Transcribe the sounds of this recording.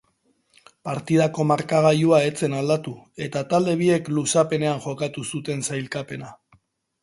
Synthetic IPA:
paɾt̪ið̞ako̞maɾkaɣ̞ajuae̞t͡se̞nald̪at̪ue̞t̪at̪ald̪e̞β̞ie̞klusape̞ne̞anʝo̞kat̪usut̪e̞nsajlkape̞na

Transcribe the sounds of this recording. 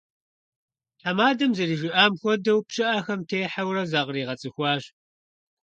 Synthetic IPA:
ħamaːdɐmzɐriːʒɪʔaːmxʷɔdɐwpʃɨʔaxɐmtʰeːħawrɐzaːʁriːʁɐt͡sʼɨxʷɑːʒ

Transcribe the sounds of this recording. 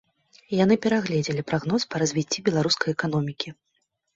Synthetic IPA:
janɨpʲɛɾaɣlʲɛd͡zʲɛlʲipɾaɣnɔspɐɾɐzʲvʲit͡sʲːibʲɛlˠaɾuskɐjɛkan̪ɔmʲikʲi

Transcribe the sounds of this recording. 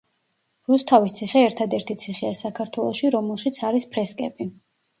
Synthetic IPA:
ɾust̪ʰavist̪sʰiχɛːɾt̪ʰad̪ɛɾt̪ʰit̪sʰiχɛasakʰaɾt̪ʰwɛlˠɔʃiɾɔmɛlˠʃit̪sʰaɾispʰɾɛskʼɛbi

